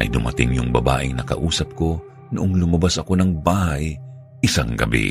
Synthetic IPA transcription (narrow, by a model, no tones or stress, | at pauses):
ʔɐ̰jd̪ʊmʔɐt̪ɪŋjʊŋbɐba̰ːʔɪŋnɐkɐ̰ʔuːsɐp̚ko̞ | nʊʔoŋlʊmɐbasʔɐko̞nɐŋbaːhɐj | ʔɪsaŋɡɐ̰bḭ